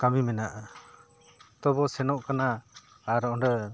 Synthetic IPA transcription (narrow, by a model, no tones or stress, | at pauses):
kamimɛnaʔa | t̪ɔbɔsɛnɔʔkanaː | ɾɔɳɖɔ